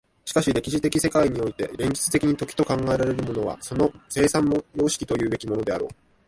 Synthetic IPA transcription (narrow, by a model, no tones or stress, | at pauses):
ɕi̥kaɕiɾe̞kʲiʑit̪e̞kʲise̞kaiɲ̟io̞it̪e̞ɾẽ̞ɲ̟d͡ʑi̥t͡sɨ̥t̪ekʲiɲ̟it̪o̞kʲi̥t̪o̞kãŋɡae̞ɾaɾe̞ɾɯ̟mo̞no̞βa̰so̞no̞se̞ːsãnːojo̞ːɕi̥kʲi̥t̪o̞jɯ̟ːbe̞kʲimo̞no̞d̪e̞aɾo̞̰ː